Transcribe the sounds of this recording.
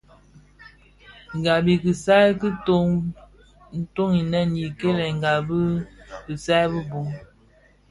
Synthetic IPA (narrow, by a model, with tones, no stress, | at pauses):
ŋ˨ɡa˨bi˨ki˨sa˦ki˦to˦ŋ | n̩˦to˦ŋi˨nɛ˦nji˨ke˦lɛ˨ŋ̩˨ɡa˨bi˦kɨ˨sa˦bə˦bu˨˦ŋ